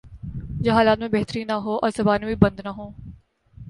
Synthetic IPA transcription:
d͡ʒɐɦaːlaːt̪mẽbɛɦt̪əɾĩnɐɦoːʔɔ̰ːɾzɐbaːnebʱibɐ̃nd̪naɦoː

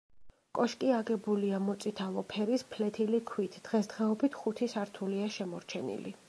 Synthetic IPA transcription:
kʼɔʃkʼiaɡɛbuliamɔt̪sʼit̪ʰalˠɔpʰɛɾispʰlɛt̪ʰilikʰwit̪ʰd̪̥ʁɛsd̪̥ʁɛɔbit̪ʰχut̪ʰisaɾt̪ʰuliaʃɛmɔɾt͡ʃʰɛnḭli

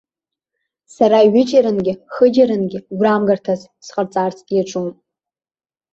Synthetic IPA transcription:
saɾaiɥʷɪt͡ʃʼaɾɨnɡʲɪχəd͡ʒaɾɨnɡʲɪɡʷramɡartʰaz | sqʼərt͡sʼart͡sʰʼjaʈ͡ʂʷʼum

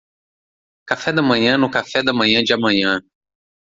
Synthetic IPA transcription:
kafɛd̪ɐmɐ̃ɲɐ̃nʊkafɛd̪ɐmɐ̃ɲɐ̃d͡ʒɪɐmɐ̃ɲɐ̃

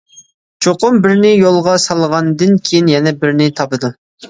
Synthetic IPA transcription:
t͡ʃʰoqʊmbɪɾnɪjolˠʁɑsɑlˠəʁɑnd̪ɨnkʲʰejinjɛnɛbɪɾnɪt̪ʰɑpɨd̪u

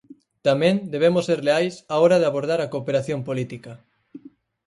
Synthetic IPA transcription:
t̪amẽnd̪eβemosːeɾleajsaɔɾað̞eaβoɾðaɾakoːpeɾaθjompolit̪ikɐ

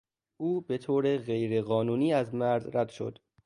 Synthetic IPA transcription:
ʔuːbe̞t̪ʰoːɾeɣe̞jɾeɣɒːnuːniːæzmæɾzɾæd̪ʃo̞̰d̪

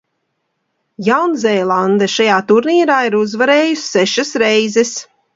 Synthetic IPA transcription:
jawnzɛːlˠand̪ɛʃajaːt̪uɾniːɾaːiɾuzvaɾeːjusʲːɛʃasɾɛjzɛs

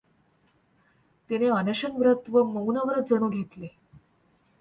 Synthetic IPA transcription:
t̪eneanəɕənʋɾət̪ʋəməunaʋəɾət̪̚d͡zəɳ̃uːɡʱet̪le

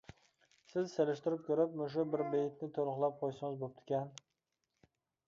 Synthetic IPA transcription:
sɪzselɪʃt̪ɪɾɪp̚kʲʰɵɾɪp̚mʊʃ̬ʊbɪɾbejɪt̪nɪt̪ʰolˠχlˠap̚qʰojsɪŋɪzbop̚t̪ʰɪ̥kʲan

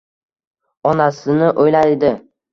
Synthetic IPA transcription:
ɒnasɪnɪʔojlajd̪ɪ

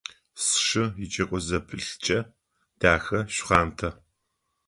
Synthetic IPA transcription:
sʂɨjɪt͡ʃʼɐkʷʼɔzɐpʰɨɬt͡ʃʼɐ | d̥aːxɐɕʷχaːntʰɐ

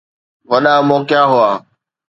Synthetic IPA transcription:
ʋəɗãːmoːkjaːɦʊaː

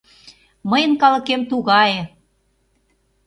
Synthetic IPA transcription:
məjənkɑlə̆kemt̪uɣɑje

